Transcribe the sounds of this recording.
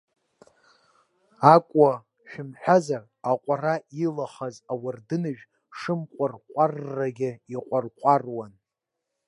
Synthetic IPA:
akʷʼa | ʃᶣɪmħᶣazar | aqʷʼarailaχazawardɨnɨʒᶣ | ʂɨmqʷʼarqʷʼarːaɡʲɪiqʷʼarqʷʼarwan

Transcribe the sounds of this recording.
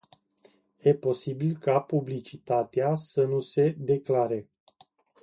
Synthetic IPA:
je̞po̞sibilkapublit͡ʃit̪at̪easənuse̞d̪e̞klaɾe̞

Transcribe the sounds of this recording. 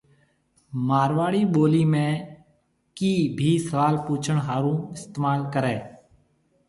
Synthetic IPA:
maːɾʋaːɽiːɓoːliːmẽː | kiːbʱiːsəʋaːlpuːt͡ʃʰəɳɦaːɾũːɪst̪eːmaːlkəɾeː

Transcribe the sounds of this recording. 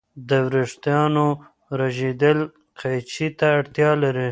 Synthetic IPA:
d̪əwɾɪʂt̪jɑno | ɾaʒed̪əl | qʰajt͡ʃit̪aːɽt̪jɑlaɾi

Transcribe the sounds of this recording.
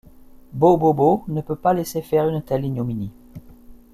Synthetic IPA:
bobobonəpøpalesefɛʁynt̪ɛliɲomini

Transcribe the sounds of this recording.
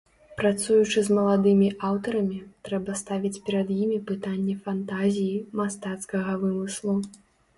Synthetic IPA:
pɾat̪sujut͡ʂɨzmɐlˠad̪ɨmʲiʔawt̪ɐɾɐmʲit̪ɾɛbɐst̪avʲit͡sʲpʲɛɾɐd̪jimʲipɨt̪anʲːɛfant̪azʲijimast̪at̪skɐɣɐvɨmɨslˠu

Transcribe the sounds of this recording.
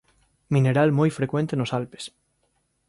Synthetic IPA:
mĩneɾalmojfɾekwẽnt̪enosalpe̥s

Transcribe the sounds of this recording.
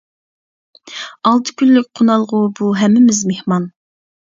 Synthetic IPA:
ɑlˠt̪ʰɨ̥kʲʰylːyk̚ʲqʰonɑlˠʁʊbuɦɛmːɪmɪzmehmɑn

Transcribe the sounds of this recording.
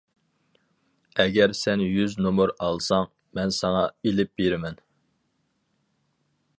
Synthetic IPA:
ɛɡʲɛɾsɛnjyznomʊɾɑlˠsɑŋ | mɛnsɑŋɑelɪp̚beɾɪmɛn

